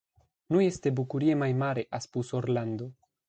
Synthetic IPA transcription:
nujest̪ebukuɾiemajmaɾeʔaspusoɾland̪o

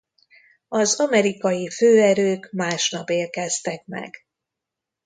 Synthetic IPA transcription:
ɒzɒmɛɾikɒjiføːɛɾøːkmaːʃnɒpeːrkɛst̪ɛkmɛ̰ɡ̥

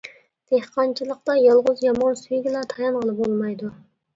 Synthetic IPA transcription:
d̪̥ehqʰɑnt͡ʃʰilˠəq̚t̪ɑjɑlˠʁʊzjɑmɑnsujɡʲilˠɑt̪ʰɑjɑnʁəlˠɨp̚bolˠmɑjd̪u

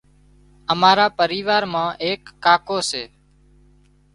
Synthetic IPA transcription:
əmaːɾaːpəɾiːʋaːɾmãːʔeːkːaːkoːseː

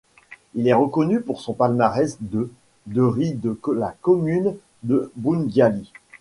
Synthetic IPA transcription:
ilɛʁəkɔnypuʁsɔ̃palmaʁɛsd̪ə | d̪əʁid̪əlakɔmyn | d̪əbunɡjali

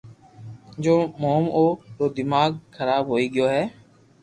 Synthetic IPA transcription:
d͡ʒoːmoːmʔoːɗoːd̪ɪmaːɡkʰəɾaːbɦoːiːɠɪjoːɦɛː

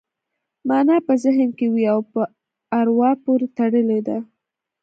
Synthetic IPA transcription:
mɑnɑpəzɪɦənkewiawpə | aɾwɑpoɾet̪aɽəled̪a

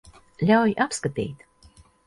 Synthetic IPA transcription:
lʲawjʔapskat̪ḭːt̪

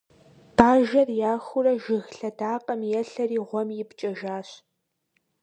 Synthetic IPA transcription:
b̥aːʒɐrjaːxʷʊrɐʒɪɣɬɐdaːqʼɐmjɛɬɐriːʁʷɔmjɪpt͡ʃʼɐʒaːɕ

